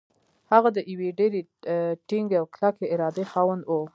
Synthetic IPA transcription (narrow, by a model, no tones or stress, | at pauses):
haɣad̪əjiweɖeɾeʈiŋɡeawklakeɪɾɑd̪exɑwand̪wo